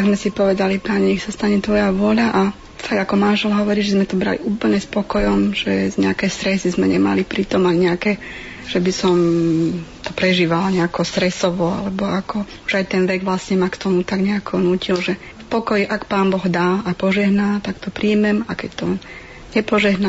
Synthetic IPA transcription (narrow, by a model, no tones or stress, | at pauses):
aɡzmɛsipɔʋɛd̪alipaɲɛɲɛxsast̪aɲɛt̪ʋɔjaʋʊɔʎaʔa | faɡakɔmanʒɛlɦɔʋɔɾiːʒɛzmɛt̪ɔbɾa̰lḭʔuːpl̩ɲɛspɔkɔjɔmʒɛɲɛakɛst̪ɾɛsizmɛɲɛma̰lipɾit̪ɔmaɲɛakɛ | ʒ̥ɛbisɔm | t̪ɔpɾɛʒiːʋalɲɛakɔst̪ɾɛsɔʋɔa̰lɛbɔakʰɔ | uʒajt̪ɛnʋɛɡʋlasɲɛmakt̪ɔmut̪aɡɲɛakʰɔnuːcilʒɛ | fpɔkɔjiʔakpaːnbɔɣd̪aːapɔʒɛɦnaːt̪akt̪ɔpɾiːmɛmakɛct̪ɔ | ɲɛpɔʒɛɦna